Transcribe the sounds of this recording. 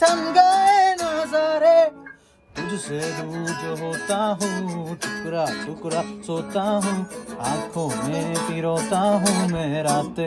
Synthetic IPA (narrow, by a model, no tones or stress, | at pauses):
t̪ʰɐŋɡaːenozoːɾe | t̪ʊd͡ʒʱseɾuːd͡ʒɦoːt̪aɦũːtʰʊkɾaːdʊkɾasoːt̪aɦũːãːkʰõːmẽpiːɾoːt̪aɦũːmẽːɾaːt̪e